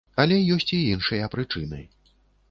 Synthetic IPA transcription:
ɐlʲɛjɔsʲt͡sʲiinʂɐjɐpɾɨt͡ʂɨnɐ̰j

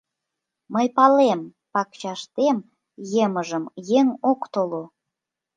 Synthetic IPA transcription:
məjpɑlem | pɑkt͡ɕɑʃt̪em | jeməʒəmjeŋokt̪olo

